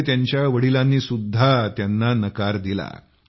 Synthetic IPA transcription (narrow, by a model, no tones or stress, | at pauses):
t̪jaɲt͡ɕjaʋəɽilanːiːsud̪ʱːat̪janːanəkaɾd̪ila̰